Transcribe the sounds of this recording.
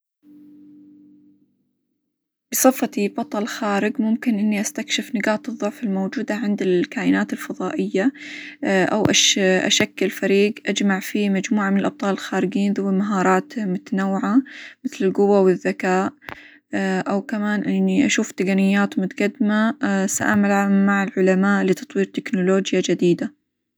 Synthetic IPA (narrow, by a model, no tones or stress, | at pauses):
b̥ɨsˤɑfːɑibɑt̪ˤɑlxaːɾɪɡmʊmkɪnʔɪnːiʔast̪akʃɪfnɪɡaːt̪ɨðˤːʊʕfɪlmowd͡ʒuːd̪aʕɪnd̪ɪlkaːʔɪnaːt̪ɪlfɑðˤɑːʔɪjːa | ʔa̰wʔaʃʔa̰ʃakːɪlfaɾiːɡʔad͡ʒmaʕfimad͡ʒmuːʕamɪnɪlʔɑb̚t̪ˤɑːlɪlxaːɾɪd͡ʒiːnðʊwːmaɦɑːɾˤɑːt̪mʊt̪anawːɪʕamɪθlɪlɡʊwawɪðːakaːʔ | ʔawkamaːnʔɪnːiʔaʃuːft̪ɪɡanɪjːaːt̪mʊt̪aɡad̪masa̰ʔa̰malʕamːaʕɪlʕʊlamaːʔlɪt̪ɑt̪ˤwiːɾt̪ɪknʊloːd͡ʒjad͡ʒad̪iːd̪a